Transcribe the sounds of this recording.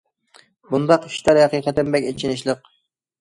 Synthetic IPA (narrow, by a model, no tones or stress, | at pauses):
bund̪ɑqiʃt̪ʰɑɾhɛqiːqət̪ɪmbɛkʲet͡ʃʰinɪʃlˠəq